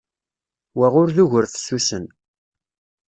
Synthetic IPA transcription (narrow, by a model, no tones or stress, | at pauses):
wæʁʊɾðuʝəɾθsːusən